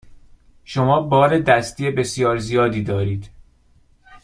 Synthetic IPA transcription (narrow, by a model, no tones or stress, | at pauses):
ʃomɒːbɒːɾed̪æst̪iːebe̞sijɒːɾzijɒːd̪iːd̪ɒːɾiːd̪̥